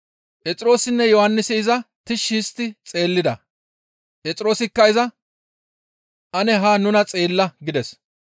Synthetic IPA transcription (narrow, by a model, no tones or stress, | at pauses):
ʔɛt͡sʼɪɾo̞ːsɪnːɛjɔhɐnːɪsɪːzɐt̪ɪʃːiːst̪ːɪt͡sʼe̞ːlːɪd̪ɐ | ʔɛt͡sʼɪɾo̞ːsɪkːɐɪzɐ | ʔɐnɛɦaːnʊnɐt͡sʼe̞ːlːɐɡɪd̪ɛs